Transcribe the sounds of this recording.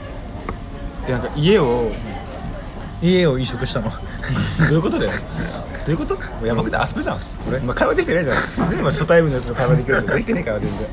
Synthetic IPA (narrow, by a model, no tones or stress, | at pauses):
t̪ːenãŋkaʔie̞o | ieo̞ĩɕo̞kɯ̟ɕi̥t̪ano̞ | d̪o̞jɯ̟ko̞t̪o̞d̪ajo | d̪̥o̞jɯ̟kot̪o | mojamakɯ̟t̪ḛʔa̰so̥bɯzã | oɾemːakajβad̪ekʲit̪enaid͡ʑannemaɕo̞t̪aibɯ̟nːojat͡sɨt̪okaiβad̪e̞k̬ʲiɾɯt̪od̪ekʲi̥t̪enekaiβad̪eze